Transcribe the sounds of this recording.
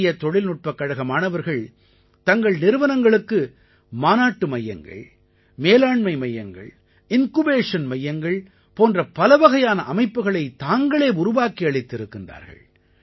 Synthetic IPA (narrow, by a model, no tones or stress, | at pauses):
jɐt̪ɔɭɪlnʊʈ̚pɐkːɐɻɐɣɐmaːnɐʋɐɾɣɐɭ | t̪ɐŋɡɐɭnɪɾɯʋɐnɐŋɡɐɭɯkːɯ | maːnaːʈːɯmɐjːɐ̰ŋɡɐ̰ɭ | meːlaːɳmɐɪmɐjːɐŋɡɐ̰ɭ | ɪnkɯbeːʂɐnmɐjːɐŋɡɐɭ | poːndrɐpɐlɐʋɐɣɐjaːnɐʔɐmɐɪpːɯɣɐɭɐɪt̪aːŋɡɐɭeːʊɾʊʋaːkiɐɭɪt̪ːɪɾɯkːɪndra̰ːɾɣɐ̰ɭ